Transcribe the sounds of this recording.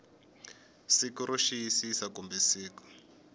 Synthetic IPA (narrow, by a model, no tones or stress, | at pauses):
sikuɾʔoʃiisisakumbɛsiːkɔ̥